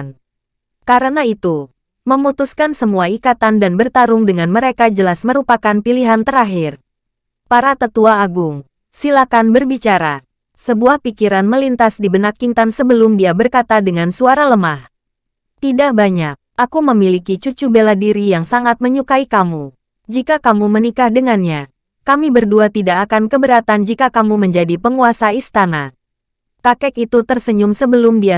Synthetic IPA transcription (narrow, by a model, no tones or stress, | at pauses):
n | kaɾənait̪u | məmut̪uskansəmuaikat̪andanbərt̪aɾʊŋdəŋanməɾekad͡ʒəlasməɾupakanpiliɦant̪əɾaɦir | paɾat̪ət̪uaːɡʊŋ | silakanbərbit͡ʃaɾa̰ | səbuahpikiɾanməlint̪asdibənakːint̪ansəbəlʊmdiabərkat̪adəŋansuaɾaləmah | t̪idaʔbaɲak̚ʔakuməmilikit͡ʃut͡ʃubeladiɾijaŋsaŋat̪̚məɲukaikamu | d͡ʒikakamumənikahdəŋanɲa | kamibərduat̪idaʔːkankəbəɾat̪and͡ʒikakamuməɲd͡ʒadipəŋuasaist̪ana | kakɛkit̪ut̪ərsəɲʊmsəbəlʊmdia